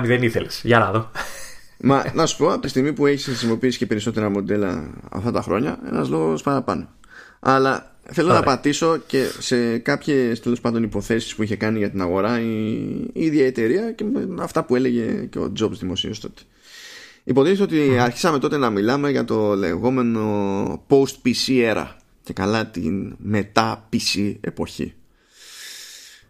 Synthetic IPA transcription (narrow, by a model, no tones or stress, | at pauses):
miðeniθelesʝɐɾɐðo | mɐnɐsu̥po̞ɐpot̪ist̪iɣmipue̞çisxɾisimo̞piisi̥cepe̞ɾiso̞t̪e̞ɾɐmo̞d̪e̞lɐ̰ɐ̰ft̪ɐt̪ɐxɾo̞̰ɲɐe̞̰nɐ̰zlo̞ɣo̞spɐɾɐpɐno | ɐlɐ | θe̞lonɐpɐt̪iso̞ce̞se̞kɐpçest̪e̞lo̞spɐnd̪o̞nipo̞θe̞si̥spuiçe̞kɐniʝɐt̪inɐɣo̞ɾɐi | iðʝjɐet̪e̞ɾiɐceɐft̪ɐpue̞le̞ʝe̞ceo̞̰d͡zo̞bzðimo̞sḭɐst̪o̞t̪e̥ | ipo̞ðiniseot̪iɐɾçi̥sɐme̞t̪o̞t̪e̞nɐmilɐme̞ʝɐt̪o̞le̞̰ɣo̞me̞no̞po̞st̪̚pisieɾɐ̰ | ce̞kɐlɐt̪ḭnme̞t̪ɐpisie̞̰po̞çḭ